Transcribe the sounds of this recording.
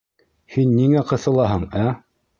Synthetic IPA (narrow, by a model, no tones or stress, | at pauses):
hinːiŋæqɤ̆θɤ̆lˠɑɦɤɴæ